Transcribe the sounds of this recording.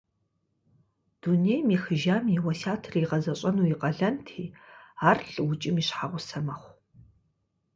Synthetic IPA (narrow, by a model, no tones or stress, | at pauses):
d̥unejmiːxɨʒaːmiwɐsaːtʰɨriqɐzɐɕʼɐnuːiqɐɮɐntʰiːaːrɬʼwʊt͡ʃʼɪmiːɕħaʁʷʊsɐmɐχʷ